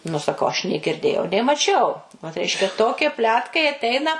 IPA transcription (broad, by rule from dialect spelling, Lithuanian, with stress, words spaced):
nʊ sɐˈkɐʊ ɐʃ nʲeː ɡʲɪrʲˈdʲeːjɛʊ nʲeː mɐˈt͡ʃʲɛʊ ʋɐt ˈrʲɛɪʃʲkʲɛ ˈtoːkʲiɛ ˈpʲlʲæːtkɐɪ ɐtʲˈɛɪnɐ